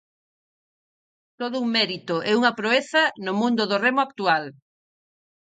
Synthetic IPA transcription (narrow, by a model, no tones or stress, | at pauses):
t̪oð̞ʊuŋmɛɾit̪ʊʔɛuŋɐpɾoeθɐnʊmũnd̪ʊðoremʊak̚t̪ual